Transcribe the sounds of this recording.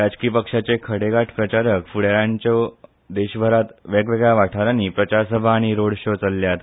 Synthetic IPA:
ɾad͡ʑkiːpəkʂat͡sekʰəɽeɡaʈʰpɾət͡ɕaɾəkfuɽjaɾãɲt͡ɕjɔ | d̪eɕbʱəɾat̪ʋeɡʋeɡaʋaʈʰaɾaniːpɾət͡ɕaɾsəbʱaːɽ̃iɾoɽɕot͡səlːjat̪

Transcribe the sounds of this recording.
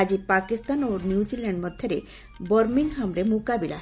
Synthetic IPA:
ad͡ʑipakist̪anonjud͡ʑilaɳɖmɔd̪ʱjɔɾe | bɔɾminɦamɾemukabila̰ɦ

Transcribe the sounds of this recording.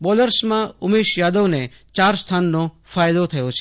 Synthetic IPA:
bɔːləɾsmãʊmeːʃjaːd̪oʋne | t͡ʃaːɾst̪ʰaːnːõ | faːjd̪ot̪ʰɐjot͡ʃʰe

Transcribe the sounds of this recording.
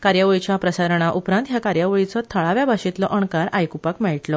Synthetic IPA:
kaɾjaʋəɭit͡ɕjapɾəsaɾəɳ̃aʔupɾãnt̪jakaɾjaʋəɭit͡sɔt̪ʰəɭaʋjabʱaɕit̪lɔʔəɳkaɾajkupakmɛɭʈlɔ

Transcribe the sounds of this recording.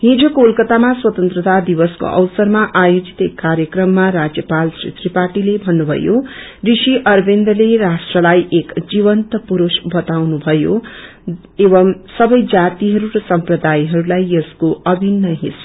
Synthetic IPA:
ɦid͡zokulkʌt̪amaswʌt̪ʌnt̪rʌt̪ad̪ibʌsko̰ʔʌ̰wsʌrmaʔajod͡zit̪ekːaɾjʌkrʌmːaɾad͡zjʌpalsrḛt̪ripaʈilebʱʌnːubʱʌ̰jo | risiʔʌrbʱend̪ʌleɾasʈrʌlajʔekd͡ziβʌnt̪ʌpuɾusbʌt̪awnubʱʌjo | ebʌmsʌbʌjd͡zat̪iɦʌɾuɾʌsʌmprʌd̪ajɦʌɾulajjʌskoʔʌbʱinːʌɦḭs

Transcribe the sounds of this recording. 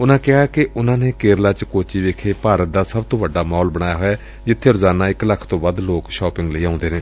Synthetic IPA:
ʊnãːkɪɦaːkɪʊnãːneːkeːɾlaːt͡ʃkoːt͡ʃiːʋeːkʰeːpaːɾət̪̚d̪aːsəbt̪õːʋəɖːaːmaːɔlbəɽ̃aːjaːɦoːɛː | d͡ʒɪt̪ʰːeːɾʊzaːnaːɪkləkʰt̪õːbəd̪loːkʃɔːpɪ̃ŋɡləiːãːʊ̃nd̪eːnẽː

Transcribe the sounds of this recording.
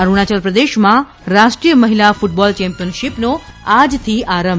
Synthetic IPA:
aɾuɽ̃at͡ʃəlpɾəd̪eʃmã | ɾaʃʈɾijəməɦilafʊʈ̚bɔlt͡ʃɛ̃mpijənʃipnoad͡ʒt̪ʰiʔaɾəmb

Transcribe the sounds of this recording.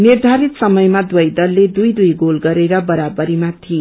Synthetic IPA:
nird̪ʱaɾit̪sʌmʌjmad̪wʌjd̪ʌlled̪ujd̪ujɡolɡʌɾeɾʌbʌɾabʌɾimat̪ʰi

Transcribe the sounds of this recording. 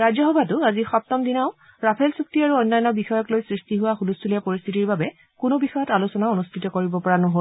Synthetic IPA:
ɹazjɔxɔbʱatʊazixɔp̚tɔmdinaʊ | ɹapʰɛlsuk̚tiaɹuɔjnːajnɔbixɔjɔklojsɹistiɦʊwaxulustʰulɛpoɹist̪ʰitiɹbabɛ | kʊnobixɔjɔtalusɔnaonustʰitɔkoɹibɔpɔɹanoɦol

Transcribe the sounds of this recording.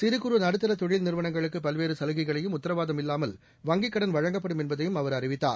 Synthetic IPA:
sɪɾɯkːɯɾɯnɐɽɯt̪ːɐɾɐt̪ɔɻɪlnɪɾɯʋɐɳɐŋɡɐɭɯkːɯpɐlʋeːɾɯsɐlɯɣɐɪɣɐɭɐjɯmʊt̪ːɐɾɐʋaːðɐmɪlːaːmɐl | ʋɐŋɡɪkːɐɽɐnʋɐɻɐŋɡɐp̬ːɐɽɯmɛnbɐðɐjɯmɐʋɐɾɐrɪʋɪt̪ːa̰ːɾ

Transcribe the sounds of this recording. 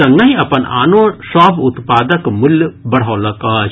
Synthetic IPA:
ɐ̃ŋɡɐĩɐ̰pənʔa̰ːnõsaːbʱʊt̪paːd̪əkmʊljbɐɽ̤aːlɐkaː

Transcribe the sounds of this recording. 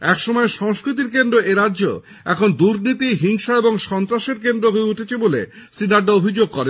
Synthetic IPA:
ɛkʃɔmɔeʃɔŋskɾit̪̬iɾk̬end̪ɾoeɾadːʑo̰ | ɛ̰kʰond̪uɾnit̪iɦiŋʃaeboŋʃɔnt̪ɾaʃeɾkend̪ɾoɦoeuʈʰet͡ɕʰebolḛsɾinaɖːaobʱid͡ʑoɡ̚kɔɾe

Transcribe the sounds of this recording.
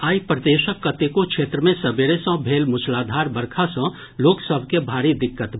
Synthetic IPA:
aːipɾəd̪eːʃəkːət̪ekokʃʰeːt̪ɾəmẽsɐbeɾesə̃bʱeːlmʊt͡ʃʰlaːd̪ʱaːɾbəɾkʰasə̃ | loːksəbʱkebʱaːɾid̪ɪkːət̪

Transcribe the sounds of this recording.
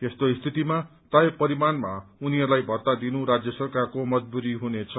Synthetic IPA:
t̪est̪oist̪ʰit̪ima | t̪ajepʌɾimanmauniɦʌɾlajbʱʌrt̪ad̪inuɾad͡zjʌsʌrkarkomʌd͡zbuɾiɦunet͡sʰʌ

